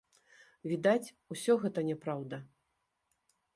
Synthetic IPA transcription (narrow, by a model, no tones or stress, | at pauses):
vʲid̪at͡sʲ | usʲɔɣɛt̪ɐnʲɛpɾawd̪ɐ